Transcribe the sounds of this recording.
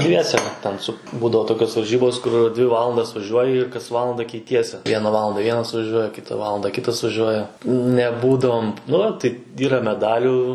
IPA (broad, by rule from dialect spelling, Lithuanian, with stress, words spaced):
ˈdʲʋʲiɛsʲɛ tʲɛn ˈsʊ ˈbuːdɐʋoː toːˈkʲoːs ʋɐrʲˈʒʲiːboːs kʊr dʲʋʲɪ ˈʋɑːlˠɐndɐs ʋɐˈʒʲuɔjɪ ɪr kɐs ˈʋɑːlˠɐndɐ kʲɛɪˈtʲiɛsʲɪ ˈʋʲiɛnɐ ˈʋɑːlˠɐndɐ ˈʋʲiɛnɐs ʋɐˈʒʲuɔjɛ ˈkʲɪtɐ ˈʋɑːlˠɐndɐ ˈkʲɪtɐs ʋɐˈʒʲuɔjɛ nʲɛˈbuːdɐʋoːm ˈnʊ tɐɪ ˈiːrɐ mʲɛˈdɑːlʲuː